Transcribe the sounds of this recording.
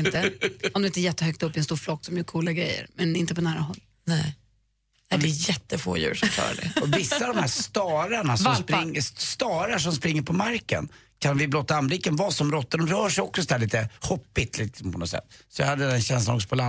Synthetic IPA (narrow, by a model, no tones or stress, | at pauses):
ɪnt̪əɔmd̪ɵɪt̪ɛjɛt̪ːəhœk̚t̪ɵpːɪɛnst̪uːɾflɔkːsɔmjœkʰuːlaɡɾɛ̰jːə̰ɾmɛnɪnt̪əpɔnæːɾaɦɔlː | nɛ | nɛd̪ɛːjɛt̪ːəfo̰ːjʉ̰ːʂɔmfʰɑ̰ːɾa̰ɖɛ̰ɔvɪsːad̪ɔmhæːst̪ɑːɾaɳasɔmspɾɪŋːəst̪ɑːɾaʂ̬ɔmspɾɪŋːəɾpʰɔmaɾkə̰n | kʰanvɪblɔt̪ːaanblɪkːənvɑːsɔmɾɔt̪ːadɔmɾœːʂɛjɔksɔsɔd̪æɭiːt̪əhɔpːɪt̪lɪksɔmpʰɔnɔsɛ̰t̪ːsɔja̰had̪ːəd̪ɛnɕɛns̬lanɔ̰ksɔpʰɔla